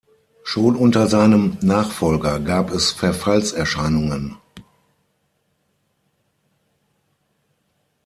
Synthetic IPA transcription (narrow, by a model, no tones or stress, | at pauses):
ʃoːnʔʊntɐzaɪnəmnaːχfɔlɡɐɡaːpʰɛsfɛɐfalsɛɐʃaɪnʊŋən